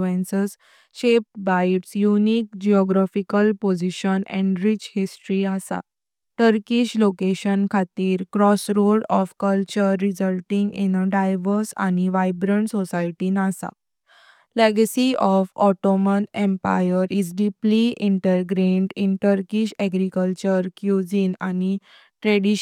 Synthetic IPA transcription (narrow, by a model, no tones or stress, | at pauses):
ẽnsəs | ɕep̚ʈbajiʈsjuniːk̚d͡ʑiɔɡɾafikəlpod͡ʑiɕənɛ̰̃ɳɖɾit͡ɕhisʈɾiəsa̰ | ʈəɾkiɕlokeɕənkʰat̪iːɾkɾɔsɾoɽɔfkəlt͡ɕəɾːizəlʈĩŋɡḭnəɖajʋəɾsa̰niʋajbɾəɳʈsɔsajʈinasa̰ | leɡəsiʔɔfɔʈɔmənẽmpa̰jəɾid͡zɖipliʔĩɳʈəɾɡɾeɳɖinʈəɾkiɕɛɡɾikəlt͡ɕəɾkjud͡zinani | ʈɾɛɽi